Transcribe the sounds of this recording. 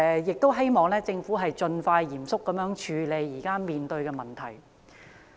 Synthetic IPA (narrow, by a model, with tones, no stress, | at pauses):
jɪ˨k̚t̪o˥wɦe˥jmɔː˨˩ŋlɛː˥t͡sɪ˧ŋfuː˨˥ɦɐ˨jt͡ʃɵ˧nfaː˧jjiː˨˩msʊ˥kːɐ˨˥mjœː˨˥ŋt͡ʃʰyː˨˧le˨˧jːiː˨˩kaː˥miː˨nt̪ɵ˧ɥkɛː˧mɐ˨˩nt̪ʰɐ˨˩j